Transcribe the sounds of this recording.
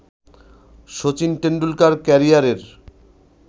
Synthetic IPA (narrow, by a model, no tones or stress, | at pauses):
ʃot͡ɕinʈeɳɖulkaɾkɛɾijaɾeɾ